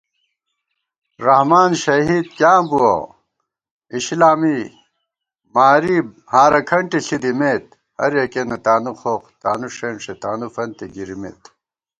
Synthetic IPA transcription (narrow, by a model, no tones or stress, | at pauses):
ɾɐhmaːnɕɐɦiːd̪kaːbuɐ̰ | iɕlaːmi | maːɾi | haːɾɐkʰɐɳʈiɬid̪imeːt̪̚ | hɐ̰ɾjɐkenɐt̪aːnuxoqt̪aːnuʂenʂet̪aːnufɐnt̪eɡiɾimḛːt̪